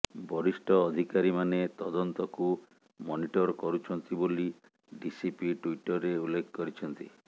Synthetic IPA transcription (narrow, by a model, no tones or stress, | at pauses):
bʱɔɾisʈɔːd̪ʱikaɾimanet̪ɔd̪ɔnt̪ɔku | mɔniʈɔɾkɔɾut͡ʃʰɔnt̪iboli | ɖisipiʈuiʈɔɾːeulːekʰːɔkɔɾit͡ʃʰɔnt̪i